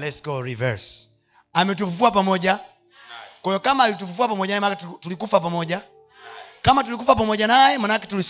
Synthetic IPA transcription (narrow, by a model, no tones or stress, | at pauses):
lɛskɔɾivɛɾs | amɛt̬ufufuap̬amɔɟa | kwɔjɔkamaːlit̬ufufuapamɔɟanaɛmaaktulikufap̬amɔɟa | kamatulikufapamɔɟanajɛmanakɛ̥tulis